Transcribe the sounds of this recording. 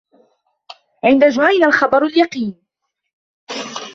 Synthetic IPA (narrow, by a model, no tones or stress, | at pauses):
ʕɪnd̪ad͡ʒwaʔɪnalxɑbɑɾˤaljɑqiːn